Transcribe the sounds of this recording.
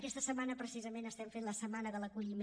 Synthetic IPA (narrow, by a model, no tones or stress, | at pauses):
kɛst̪əsəmanəpɾəsizəmenəst̪ɛmfenləsəmanəðələkuʎim